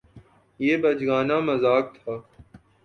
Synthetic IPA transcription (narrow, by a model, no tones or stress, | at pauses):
jeːbɐd͡ʒɡaːnaːmɐzaːk̚t̪ʰaː